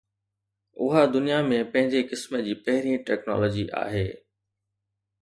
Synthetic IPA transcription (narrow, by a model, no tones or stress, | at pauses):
ʊɦad̪ʊnijamẽpɐ̃ɦɪ̃ɲd͡ʑekɪsməd͡ʑiːpɐɦɪɾĩʈɛːknɔ̰ːlɔːd͡ʑiʔa̰ːɦeː